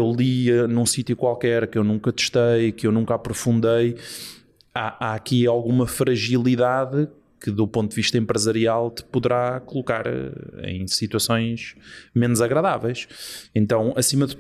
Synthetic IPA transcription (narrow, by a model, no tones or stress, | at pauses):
ewlˠinũsit̪jukwalˠkɛɾkewnũŋkɐt̪ɨ̥ʃt̪ɐjkewnũŋkapɾufũnd̪ej | aʔaɐkialˠɣumɐfɾɐʒilˠiðaðɨ | kɨðupõnt̪d̪ðviʃt̪ɐẽmpɾɨzɐɾialˠt̪ɨ̥puðɨɾakulˠukaɾḛ̃j̃sit̪wɐsõj̃ʒmenuzɐɣɾɐðavejʃẽnt̪ɐ̃w̃ɐsimɐð